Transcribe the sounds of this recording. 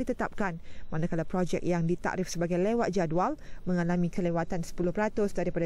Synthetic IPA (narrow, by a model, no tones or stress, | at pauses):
it̪ət̪ap̚kanmãnakalapɾod͡ʒɛ̰k̚jaŋdit̪a̰ʔɾɪfsəbaɡajlewat̪̚d͡ʒadualmə̃ŋalamĩkəlewat̪ansə̥pulʊhpəɾat̪ʊsdaɾipada